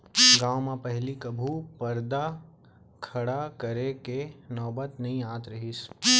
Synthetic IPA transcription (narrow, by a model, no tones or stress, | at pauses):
ɡãːwmãpɛɦlikɐbʱupɐɾd̪a | kʰɐɽakɐɾekenɔːbət̪nɐɦĩaːt̪ɾɐɦis